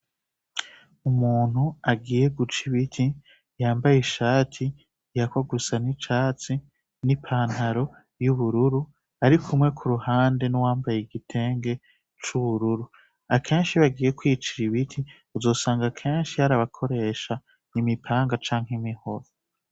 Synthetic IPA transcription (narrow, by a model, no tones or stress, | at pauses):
umuːn̥huaɡiːje̞ɡut͡ʃiβitʰi | jaːmbajiʃaːtʰi | jakwaɡusanit͡ʃaːt͡si | nipʰaːnhaɾo̞ | juβuɾuɾu | aɾikʰumŋe̞kʰuɾuhaːnde̞nowaːmbajeɡitʰe̞ːŋɡe̞ | t͡ʃuβuɾuɾu | akʰe̞ːnʃiβaɡiːje̞kwiːt͡ʃiɾiβitʰi | uzo̞ːsaːŋɡakʰe̞ːnʃihaɾaβakʰo̞ɾe̞ːʃa | nimipʰaːŋɡat͡ʃaːŋhemiho̞ɾo